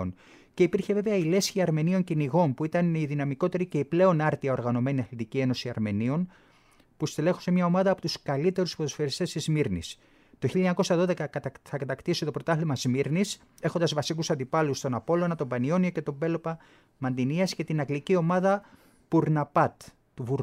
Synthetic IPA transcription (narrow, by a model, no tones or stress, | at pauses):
on | ce̞ipiɾçe̞ve̞veɐile̞sçiɐɾme̞nio̞ɲciniɣo̞npuit̪ɐniðinɐmiko̞t̪e̞ɾice̞iple̞o̞nɐɾt̪iɐo̞ɾɣɐno̞me̞niɐθlɐnt̪icie̞no̞siɐɾme̞nio̞n | pust̪ele̞xu̥se̞mɲɐo̞mɐðɐːpo̞t̪uskɐlit̪e̞ɾuspoðosfeɾist̪e̞st̪izmiɾnḭs | t̪o̞çiʎɐɲɐko̞sɐðo̞ðekɐθɐkɐt̪ɐkt̪issit̪o̞pɾo̞t̪ɐθlimɐzmiɾnis | exo̞nd̪ɐzvɐsikusɐnd̪ipɐlust̪o̞nɐpo̞loɐnɐt̪o̞mbɐnio̞nioce̞t̪o̞be̞lo̞pɐ | mɐnd̪iniɐsce̞t̪inɐɡlicio̞mɐðɐ | puɾnɐpɐt̪ | t̪uvuɾ